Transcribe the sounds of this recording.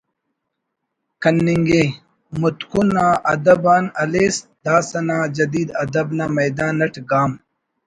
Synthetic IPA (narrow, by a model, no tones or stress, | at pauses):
kɐnːiŋɡe | mut̪kunãːʔɐd̪ɐbaːnɐleːsd̪̥aːsɐnãːd͡ʒɐd̪iːd̪ɐd̪ɐbnaːmɐjd̪aːnːɐʈɡaːm